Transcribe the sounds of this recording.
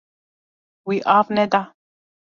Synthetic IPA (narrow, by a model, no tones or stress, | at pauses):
wiʔavned̪a